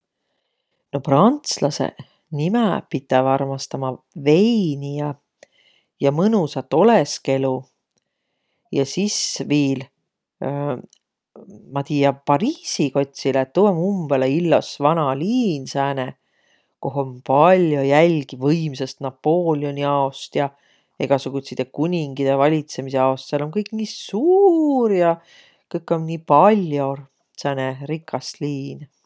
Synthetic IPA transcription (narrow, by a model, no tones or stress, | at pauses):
no̞prɑnt̪slɑsḛ | nimepit̪ːˑɛvɑrmɑst̪ɑmɑ | ve̞jnijɑ | jɑmɤnusɑt̪ːˑo̞leske̞lu | jɑsisviːl | mɑt̪iːɑpɑɾiːsiko̞t̪ʲsilet̪ːuemumb̥eleilːosvɑnɑliːnsæːne | ko̞ɦompɑlʲjo̞jælʲɡ̥ivɤjmsest̪nɑpːo̞ːlʲio̞nʲiɑost̪jɑ | e̞̰ɡ̥ɑsuɡ̥ut̪sit̪ekunʲiŋɡid̪̥evɑlʲit̪se̞miseɑost̪selonkɤjkˑniːsuːɾjɑ | kɤjkːˑonːiːpɑlʲjo̞r | sæːneɾikʰːˑɑsliːn